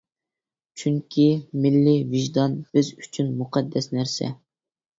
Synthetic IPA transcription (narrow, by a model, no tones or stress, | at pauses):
t͡ʃʰyŋkʲʰimɪlːivɪʒd̪ɑnb̥ɪzyt͡ʃʰynmuqʰɛd̪ːɛsnæɾsɛ̰